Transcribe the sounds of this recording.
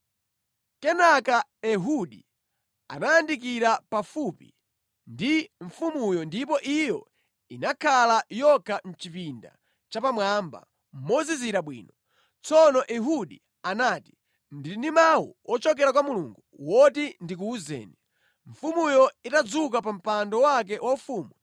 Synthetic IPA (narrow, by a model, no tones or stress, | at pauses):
kɛnakaɛɦuɗi | a̰naːndik̬iɾapafupḭ | ndiɱfumujɔndipɔʔijɔ̰ | inakʰalajɔkʰam̩t͡ʃipinda̰ | t͡ʃapamwamba̰ | m̩mɔziziɾaɓwḭːnɔ | t͡sɔnɔʔɛɦuɗi | anaːti̥ | ndiinimawṵɔt͡ʃɔk̬ɛɾak̬wamuluŋɡuwɔtindik̬uːzɛ̰ːni | ɱ̩fumujɔitad͡zuk̬apam̩pandɔwak̬ɛwafuːmwa